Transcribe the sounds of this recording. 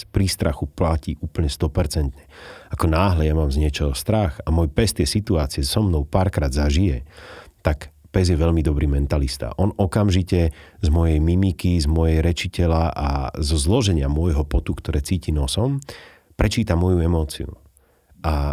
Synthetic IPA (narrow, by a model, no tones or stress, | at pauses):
pɾist̪ɾaxuplaciːʔuːpl̩ɲɛst̪ɔpɛɾt͡sɛnt̪ɲɛakɔnaːɦlɛjamaːmzɲɪɛt͡ʃɔɦɔst̪ɾaxamɔjpɛst̪jɛsit̪uaːt͡siɛsɔmnɔʊpaːɾkɾaːd̪zaʒijɛt̪ak | pɛzjɛʋɛʎmid̪ɔbɾiːmɛnt̪alist̪a̰ʔɔnɔkamʒicɛzmɔjɛjmimikizmɔjɛjɾɛt͡ʃicɛlaʔa̰zɔzlɔʒɛɲɪamʊɔjɦɔpɔt̪ukt̪ɔɾɛːt͡siːcinɔsɔm | pɾɛt͡ʃiːt̪amɔjuɛmɔːt͡sḭṵ | ʔa